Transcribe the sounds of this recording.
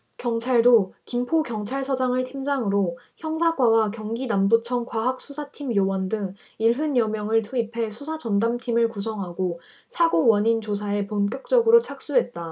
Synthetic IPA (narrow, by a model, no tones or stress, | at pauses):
kjʌŋt͡ɕʰaɭdokimpʰokjʌŋt͡ɕʰaɭsʰʌd͡ʑaŋɯɭtʰimd͡ʑaŋɯɾo | çjʌŋsʰaɡwawakjʌŋɡinambut͡ɕʰʌŋkwaɦak̚s͈ʰusʰatʰimjowʌndɯŋ | iɭɦɯnjʌmjʌŋɯɭtʰuipʰe̞sʰusʰad͡ʑʌndamtʰimɯɭkusʰʌŋɦaɡo | sʰaɡowʌɲint͡ɕos̬ʰae̞ponk͈jʌk̚t͡ɕ͈ʌɡɯɾot͡ɕʰak̚s͈uɦe̞t̚t͈a